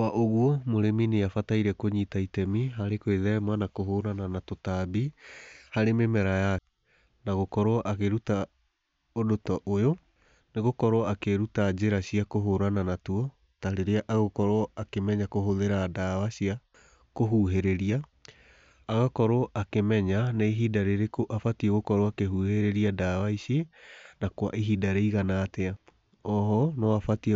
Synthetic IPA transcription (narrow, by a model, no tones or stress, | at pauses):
waʔoɣwɔmoɾemineafataiɾɛkoɲitaitɛmiɦaɾekweðɛmanakoɦoɾananatotabihaɾememɛɾaja | naɣokɔɾoɔʔaɣeɾuta | odotɔʔojo | neɣokɔɾoɔakeɾutad͡ʑeɾaɕiakoɦoɾananatuɔ | taɾeɾeaʔaɣokɔɾwɔakemɛɲakoɦoðeɾadaːwaɕia | koɦuɦeɾeɾiaː | ɣakɔɾoɔʔakemɛɲanaiɦidaɾeɾekoʔafatieɣokɔɾoakeɦuːheɾeɾiadawaiɕienakwa̰ʔiɦidaɾeiɣanatɛa | ɔɦɔnɔafatie